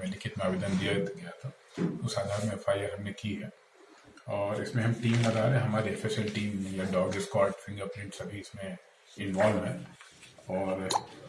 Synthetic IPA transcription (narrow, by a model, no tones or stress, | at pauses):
ẽlɪkɪt̪meaːbed̪ənd̪ijaɡɐjat̪ʰa | ʊsaːd̪ʱaːɾmẽfʰaːɪəɾɦɐmnekiɦɛː | ɔːɾɪsmẽɦɐmʈiːmlɐd̪aːɾɦɛ̃ɦɐmaːɾefeʃəlʈiːmːẽjaɖɔːɡɪskwaːɾʈfʰɪ̃ŋɡəɾpɾɪ̃ɳʈsɐbʱiɪsmẽ | ɪ̃nʋaːlʋɦɛ̃ː | ɔːɾ